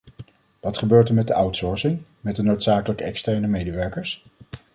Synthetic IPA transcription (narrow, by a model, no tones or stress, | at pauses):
ʋɑtχəbøːɹtəɹmɛt̚dəʔʌwtsɔɹsɪŋmɛt̚dənowtsaːkələkəɛkstɛɹnəmejdəʋɛɹkəɹs